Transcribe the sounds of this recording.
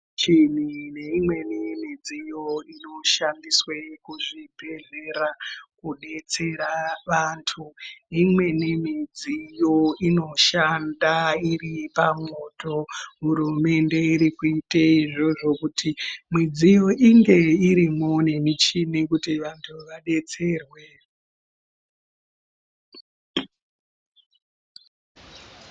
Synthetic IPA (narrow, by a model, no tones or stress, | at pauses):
t͡ʃin̤ine̞imwe̞nimid͡zijo̞ino̞ʃandiswekuʐibʱe̞ɮeɾakuɗe̞t͡se̞ɾaʋantʰuimwe̞nimid͡zijo̞ino̞ʃandairipamoːto̞ɦuɾume̞nde̞iɾikuiteiʐo̞ʐo̞kutʰimwid͡zijo̞ʔiŋɡe̞iɾimonemit͡ʃinekutiʋantʰuʋaɗe̞t͡se̞ːrwe